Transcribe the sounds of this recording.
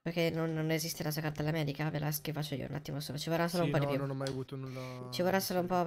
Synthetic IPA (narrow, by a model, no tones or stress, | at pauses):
perk̟enːonnezist̪enas̬uakart̪elamɛːd̪ikavelaskifat͡ʃːoḭo̰ṵna̰t̪ːimosoːnot͡ʃivorːasːoːloumpɔd̪ipːjunɔmajavuːt̪onult͡ʃivorːasːoloumpɔ